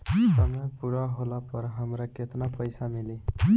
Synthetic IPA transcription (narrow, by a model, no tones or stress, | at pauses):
sʌmʌjpuɽaɦolapʌɾɦʌmɾaket̪napʌjsamili